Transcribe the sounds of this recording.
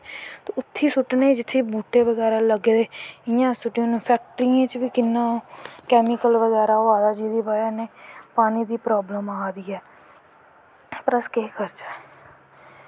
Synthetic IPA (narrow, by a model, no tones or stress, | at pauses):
t̪oʊt̪ʰːiːsʊʈneːd͡ʒɪt̪ʰːeːbuːʈeːʋəɡɛːɾaːləɡed̪eːɪjãːsʊʈːõːñːpʰɛːk̚ʈɾijãːt͡ʃʋiːkɪnːãːkɛːmɪkəlʋəɣɛːɾaːaːd̪aːd͡ʒiːd̪iːbaːjaːneːpaːniːd̪iːpɾaːbləmaːd̪iɛː | pɾəskeːkʰəɾt͡ʃaː